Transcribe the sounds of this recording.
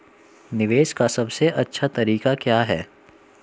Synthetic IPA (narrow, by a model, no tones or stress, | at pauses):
nɪʋeːʃkasɐbseʔɐtːʃʰat̪ɐɾiːkakjaːɦɛː